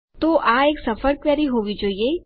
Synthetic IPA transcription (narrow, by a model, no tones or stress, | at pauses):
t̪oʔaːeːksɐfʰəɾkʋaːɾiɦoːʋid͡ʒaːie